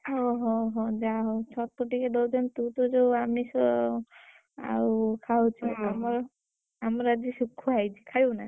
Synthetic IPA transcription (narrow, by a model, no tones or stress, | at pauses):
ɦɔɦɔ̃ɦɔ̃d͡ʒaɦɔt͡ʃʰɔt̪ɔʈikeɖɔwd͡ʒɔnt̪ut̪ɔd͡ʒowamisɔ | a̰wkʰawt͡ʃʰɔamɔɾ | amɔɾad͡ʒisukʰːuajd͡ʒʰikʰajuna